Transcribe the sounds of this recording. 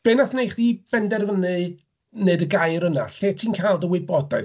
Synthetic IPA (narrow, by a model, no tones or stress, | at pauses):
b̥enasnejχdib̥ɛndɛrvənɨ | neɨdəɡajɾəna̰ɬeːtʰiːnkʰalˠdəwɪbɔdaɨ